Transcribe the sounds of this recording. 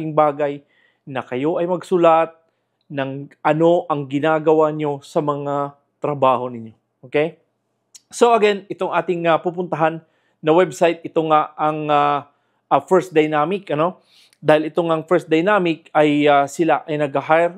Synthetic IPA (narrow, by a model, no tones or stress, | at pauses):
ɪŋbaːɡɐj | nɐkɐjo̞ʔɐjmɐɡsʊlat̪̚ | nɐŋʔɐno̞ʔɐŋɡɪnaːɡɐwaɲo̞sɐmɐŋa | t̪ɾɐbaːho̞nɪɲːo̞ | ʔoːkej | so̞ʔɐɡɛnɪt̪oŋʔaːt̪ɪŋapupʊnt̪ɐɦanː | ɐwɛbsajt̪̚ʔɪt̪oŋaɐŋa | ɐfɛɹsd̪ɐjnaːmɪkɐno̞ | d̪aːhɪlɪt̪o̞ŋɐŋfɛɹs̚d̪ɐjnaːmɪk̚ɐjasɪlaʔɐjnɐɡɐɦajɾ